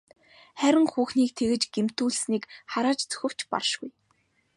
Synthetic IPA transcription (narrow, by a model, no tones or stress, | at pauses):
χæɾʲɪ̆ŋxuːxniːk̚t̪ʰeɣɘ̆t͡ɕɡ̥em̥t̪uːɮsniːkχaɾaːt͡ɕt͡sɵ̥xʲɘ̆w̥t͡ɕpa̰rʃɡuj